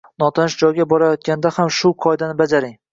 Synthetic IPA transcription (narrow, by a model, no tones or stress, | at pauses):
nɒt̪ʰanɪʃd͡ʒɒjɡʲabɒɾajɒt̪̚kʲand̪ahamʃʊqʰɒjd̪anɪbad͡ʒaɾɪŋ